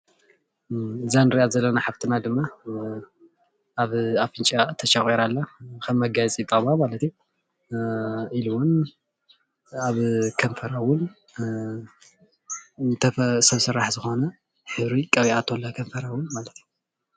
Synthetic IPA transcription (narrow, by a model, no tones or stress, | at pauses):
ɨzanɨɾiazɐlːɐnaħaβt̪ʰɨnad̪ɨmːa | aβafɨnt͡ʃʼat̪ʰɐʃaxʼiɾalːakʰɐmːɐɡajt͡sʼit̪ʼɐβamalɐt̪iju | iluwon | aβkʰɐnfɐɾawʊn | t̪ʰɐsɐβsɨɾaħzɨxonɐ | ħɨβɾikʼɐβiat̪ʰolːɐkʰɐɱfɐɾawʊnmalɐt̪ju